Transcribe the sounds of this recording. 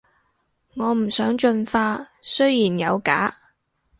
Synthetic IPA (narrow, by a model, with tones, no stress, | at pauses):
ŋɔː˨˧m̩˨˩sœː˨˥ŋt͡ʃɵ˧nfaː˧˥sɵ˥ɥjiː˨˩njɐ˨˧wka̰ː˨˥